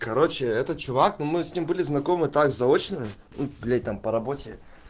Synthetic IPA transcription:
kɐɾo̞t͡ɕɪɛt̪ət͡ɕʊvaknumɨsʲnʲimbɨlʲɪznɐko̞mɨt̪aɡzɐo̞t͡ɕnɨɪ | nubʲlʲet̚ʲt̪ampəɾɐbo̞tʲɪ

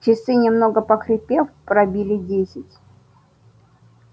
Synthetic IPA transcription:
t͡ɕɪsɨnʲɪmnoɡəpəkɾʲɪpʲefpɾɐbʲilʲɪdʲesʲɪtʲ

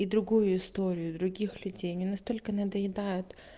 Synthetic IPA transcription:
id̪ɾʊɡujʊɪst̪o̞ɾʲɪjʊd̪ɾʊɡʲixlʲʉdʲejnʲɪnɐst̪o̞lʲkənəd̪əjɪd̪ajʊt̪

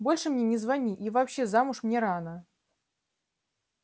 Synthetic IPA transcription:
bo̞lʲʂɨmnʲenʲɪzvɐnʲiʔivɐpɕːe̞zamʊʂmnʲeɾanə

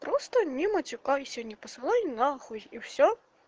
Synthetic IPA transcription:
pɾɔst̪ɐnʲɛmɐt͡sʲukaisʲɔnʲːɐpɐsɨlˠajinɐːxulʲiwsʲɔ

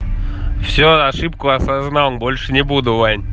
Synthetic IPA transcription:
fsʲoaʂɨp̚kʊɐsaznalˠmbolʲʂɨnʲɪbud̪ʊvanʲ

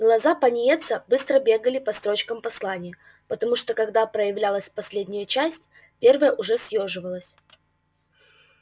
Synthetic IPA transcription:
ɡlˠɐzapɐnʲɪjet̪səbɨst̪ɾəbʲe̞ɡəlʲɪpɐst̪ɾo̞t͡ɕkəmpɐslˠanʲɪjə | pət̪ɐmuʂt̪o̞kɐɡd̪apɾəjɪvlʲalˠəsʲpɐsʲlʲedʲnʲɪjət͡ɕæsʲtʲ | pʲervəjəʔʊʐɛsjoʐɨvəlˠəsʲ

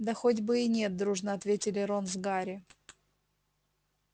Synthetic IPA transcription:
d̪ɐxodʲbɨɪnʲe̞t̪̚d̪ɾuʐnəɐt̪vʲetʲɪlʲɪɾonzɡaɾʲɪ

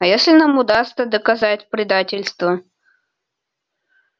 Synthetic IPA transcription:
ɐjesʲlʲɪnamʊd̪ast̪səd̪əkɐzatʲpɾʲɪd̪atʲɪlʲst̪və

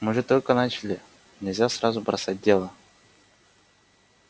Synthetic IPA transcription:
mɨʐɛt̪olʲkənat͡ɕɪlʲɪ | nʲɪlʲzʲasɾazʊbɾɐsat̚ʲdʲelˠə

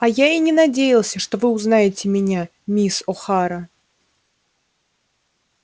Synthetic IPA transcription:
ajainʲɪnɐdʲejɪlˠsʲəʂt̪ovɨʊznajɪtʲɪmʲɪnʲa | mʲisoxaɾə

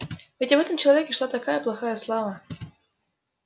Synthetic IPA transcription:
vʲɪtʲvɛt̪əmt͡ɕɪlˠɐvʲekʲɪʂlˠat̪ɐkajəplˠɐxajəslˠavə

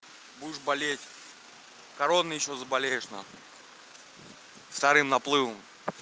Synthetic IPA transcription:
budɪʂbɐlʲetʲ | kɐɾonːɨjɪɕːozəbalʲejɪʂnɐ̰ | st̪ɐɾɨmnɐplˠɨvəm

